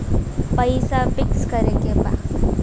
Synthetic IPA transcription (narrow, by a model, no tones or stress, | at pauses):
pəjsafɪkskəɾekeba̰